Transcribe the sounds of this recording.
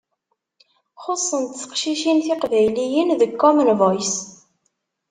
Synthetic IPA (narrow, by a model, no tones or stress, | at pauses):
χosˤːənt̪t͡sːə̥qʃiʃinθɪqvæjlijənðəkːɔmənvˤɑjs